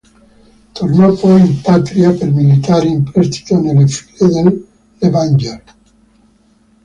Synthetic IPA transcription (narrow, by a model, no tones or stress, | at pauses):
t̪ornɔpɔjimpat̪ɾiapelmilit̪aːɾiimpɾɛst̪i̥t̪onelːefi̥led̪elː | evand͡ʒer